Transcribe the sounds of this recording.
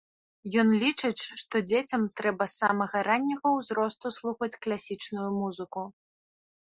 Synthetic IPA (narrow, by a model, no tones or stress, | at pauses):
jɔnlʲit͡ʂɨt͡sʲʂt̪ɔd͡zʲet͡sʲɐmt̪ɾɛbɐsamɐɣɐɾanʲːɐɣɐwzɾɔst̪uslˠuxɐt͡sʲklʲasʲit͡ʂnujumuzɨku